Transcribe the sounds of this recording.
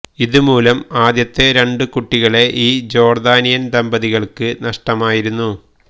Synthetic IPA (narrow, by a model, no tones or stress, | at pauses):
iðumuːlɐmaːd̪jɐt̪ːe̞ɾe̞ɳɖɨkuʈːiɣɐɭe̞ʔiːd͡ʑo̞ːrd̪aːnijɐnd̪ɐmbɐðiɣɐɭkɨnɐʂʈɐmaːjiɾunːu